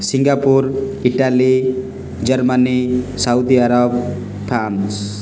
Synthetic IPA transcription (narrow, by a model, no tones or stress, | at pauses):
siŋɡapuɾ | iʈali | d͡zʌrmanisawd̪iaɾʌb | pʰɾans